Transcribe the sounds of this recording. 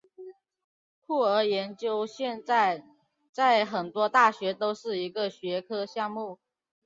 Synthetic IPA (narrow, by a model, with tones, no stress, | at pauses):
kʰu˥˩ə˞˧˥jɛ˧˥nt͡ɕjo˥ʊɕjɛ˥˧na˥˩ɪ | t͡sa˥˩ɪxə˨˩nt̪wɔ˥t̪a˥˩ɕɥɛ˧˥t̪o˥ʊʂɻ̩˥˩i˧˥ɡə˨ɕɥɛ˧˥kʰɤ˥ɕjɑ˥˧ŋmu˥˩